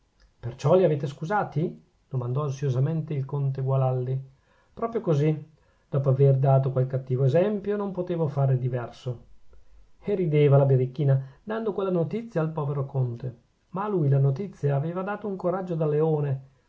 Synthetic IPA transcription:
pert͡ʃɔliaveːt̪eskuzaːt̪i | d̪̥omand̪ɔansjozament̪eilkont̪eɡwalald̪i | pɾɔːpɾjokozi | d̪̥ɔːpoaverd̪aːt̪okwalkat̪ːiːvoezɛmpjonompot̪eːvofaːɾed̪ivɛrso | erid̪eːvalabeɾikːiːnad̪and̪okwelːanot̪it̪sːjaːlpɔːveɾokont̪e | maːluːjlanot̪it̪sːjaːveːvad̪aːt̪ouŋkoɾad͡ʒːod̪aleoːne

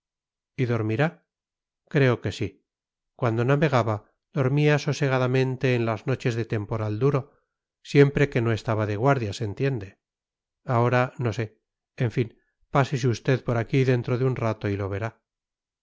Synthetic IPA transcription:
iðo̞ɾmiɾa | kɾe̞o̞ke̞si | kwand̪o̞naβe̞ɣ̞aβa | ð̥o̞ɾmiaso̞se̞ɣ̞aðamẽ̞nt̪e̞ːnlazno̞t͡ʃe̞zðe̞t̪e̞mpo̞ɾald̪uɾo̞ | sje̞mpɾe̞ke̞no̞e̞st̪aβaðe̞ɣ̞waɾðjase̞nt̪je̞nd̪e̞ | ao̞ɾano̞se̞ | eɱfin | pases̬eust̪e̞ðpo̞ɾakiðe̞nt̪ɾo̞ðeunrat̪o̞ilo̞β̞e̞ɾa

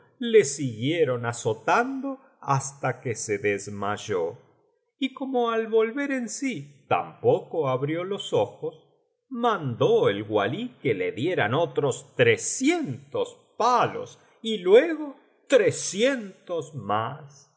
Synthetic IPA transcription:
le̞siɣjeɾo̞nasot̪and̪o | ast̪akeseðezmaʒo | iko̞moalβo̞lβe̞ɾensit̪a̰mpokoaβɾjo̞lo̞soxos | mãnd̪oelɣwa̰likeleðjeɾanot̪ɾost̪ɾesjent̪ospalo̞̰s | ilweɣo̞ | t̪ɾesjent̪ozmas

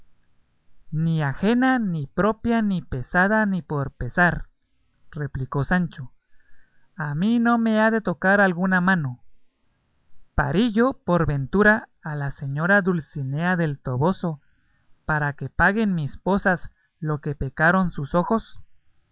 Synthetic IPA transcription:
niaxe̞nanipɾo̞pjanipe̞saðanipo̞ɾpe̞saɾ | re̞pliko̞sant͡ʃo̞ | amino̞me̞aðe̞t̪o̞kaɾalɣunamãno̞ | pa̰ɾiʝo̞po̞ɾβe̞nt̪uɾaːlase̞ɲo̞ɾaðulsine̞aðe̞lt̪o̞βo̞so̞ | paɾake̞paɣe̞nmispo̞sas | loke̞pe̞kaɾonsuso̞xo̞s

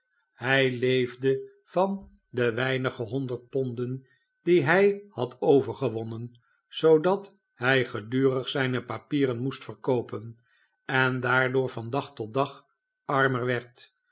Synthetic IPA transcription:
hɛjlejvdə | v̥ɑn | dəʋɛjnəχəɦɔndəɹt̚pɔndən | d̥iɦɛjhɑtʰowvəɹχəʋɔnən | z̥owdɑt | hɛjχədyːrəχsɛjnəpapiːrənmustfəɹkowpən | ɛndaːɹdʊːɹvɑndɑχtɔt̚dɑχ | ɑɹməɹʋɛɹt

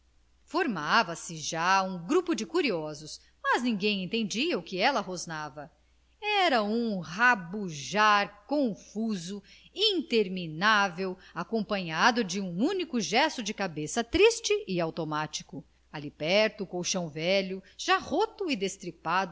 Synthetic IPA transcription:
foɾmavɐsɪʒaũɡɾupʊd͡ʒɪkuɾiɔzʊs | mɐznĩŋɡẽj̃ẽnt̪ẽnd͡ʒiɐʊkɪɛlɐɦoznavɐ | ɛɾɐũhabuʒaɾkõfuzʊ | ĩnt̪eɾminavewakõpɐ̃ɲad̪ʊd͡ʒɪũunikʊʒɛst̪ʊd͡ʒɪkabesɐt̪ɾist͡ʃɪʔɪawt̪omat͡ʃi̥kʊ | alipɛɾt̪ʊukowʃɐ̃w̃vɛlʊʒ̥ahot̪ʊid̪est̪ɾipad̪ʊ

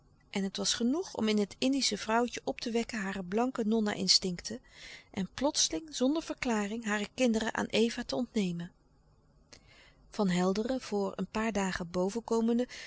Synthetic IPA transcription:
ʔɛnɦətʋɑsχənuχɔ̰mɪnɦətʰɪndisəv̥rʌwtəʔɔp̚tʰəʋɛkənɦaːrəblɑŋkənɔna̰ʔɪ̰nstɪŋktʰəʔɛnplɔtsəlɪŋzɔndəɹv̥əɹklaːrɪŋɦaːrəkɪndərə̰ʔa̰ːnʔejvaːtəɔntnejmən | v̥ɑnɦɛlˠdərəv̥ʊːɹə̰npaːɹdaːχəbowvəkowməndə

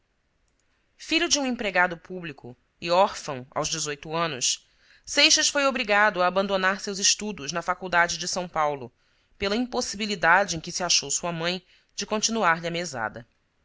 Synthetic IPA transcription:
fiʎʊd͡ʒɪũẽpɾeɡad̪ʊpublikʰʊ̰ | ɪɔɾfɐ̃w̃a̰wʒd͡ʒɪzojt̪ʊɐ̃nʊs | sejʃɐsfojobɾiɡad̪ʊaːbɐ̃nd̪onaɾsewzɪʃt̪ud̪ʊznɐfakuwd̪ad͡ʒɪd͡ʒɪsɐ̃w̃pawlʊ | pelɐĩmposibilid̪ad͡ʒɪẽj̃kɪsiaʃowsuɐmɐ̃j̃ | d͡ʒɪkõnt͡ʃinuaɾʎɪɐmeza̰d̪ɐ

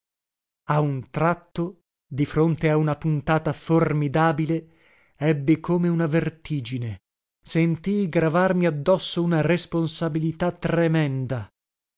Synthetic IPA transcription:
aunt̪ɾat̪ːo | d̪ifɾont̪eaunapunt̪aːt̪aformid̪aːbile | ɛbːikoːmeunavert̪iːd͡ʒine | sent̪ijɡɾavarmiad̪ːɔsːounaresponsabilit̪at̪ːremɛnd̪a

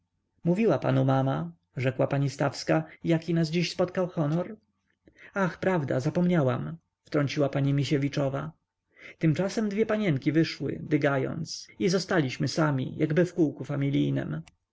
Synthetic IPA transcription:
muvʲiwapa̰numama | ʐɛkwapaɲist̪afskajakʲinasd͡ʑiɕspɔt̪kawxɔnɔɾ | axpɾavd̪a̰zapɔmɲawam | ft̪ɾɔɲt͡ɕiwapaɲimʲiɕɛvʲit͡ʂɔva̰ | t̪ɘmt͡ʂasɛmd̪vʲjɛpaɲɛŋkʲivɘʂwɘ̰d̪ɘɡajɔ̰nt̪sizɔst̪alʲiɕmɘsamʲḭjʔaɡbɘfkuwkufamʲilʲijnɘ̰m

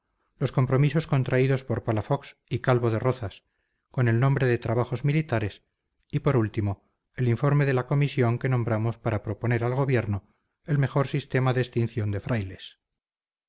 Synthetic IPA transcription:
lo̞sko̞mpɾo̞miso̞sko̞nt̪ɾaiðo̞spo̞ɾpalafo̞ksikalβoðe̞ro̞θas | ko̞ne̞lnombɾeðet̪ɾaβ̞aχo̞zmilit̪aɾe̞s | ipo̞ɾult̪imo̞ | eliɱfo̞ɾme̞ðe̞lako̞misjo̞ŋke̞nõ̞mbɾamo̞spaɾapɾo̞po̞ne̞ɾalɣo̞β̞je̞ɾno | e̞lme̞xo̞ɾsist̪e̞maðest̪in̟θjo̞nd̪e̞fɾajle̞s

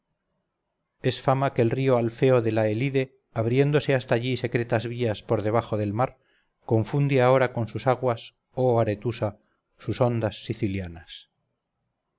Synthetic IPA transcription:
e̞sfamakeːlrio̞alfe̞o̞ðe̞laeliðe̞ | aβɾje̞nd̪o̞se̞ast̪aːʎise̞kɾet̪azβiaspo̞ɾðe̞β̞aχo̞ðe̞lmaɾ | ko̞ɱfund̪eao̞ɾako̞nsusaɣwas | oaɾe̞t̪usa | suso̞nd̪asːiθiljanas

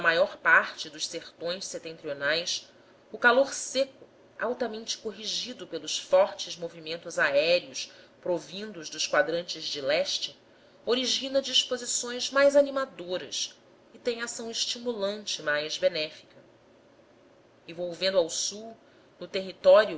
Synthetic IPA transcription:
nɐmajɔɾpaɾt͡ʃɪd̪ʊʃseɾt̪õj̃sset̪ẽnt̪ɾionajs | ʊkaloɾsekʊ | a̰wt̪ɐmẽnt͡ʃɪ̥koɦiʒid̪ʊpelʊsfɔɾt͡ʃɪzmovimẽnt̪ʊzaɛɾiʊs | pɾovĩnd̪ʊzd̪ʊskwad̪ɾɐ̃nt͡ʃɪzd͡ʒɪlɛʃt͡ʃɪ | oɾiʒĩnɐd͡ʒiʃpozisõj̃zmajzanimad̪oɾɐ̰s | ɪt̪ẽj̃asɐ̃w̃ɪʃt͡ʃimulɐ̃nt͡ʃɪmajzbenɛfi̥kɐ | ivowvẽnd̪ʊawsuw | nʊt̪eɦit̪ɔɾjʊ

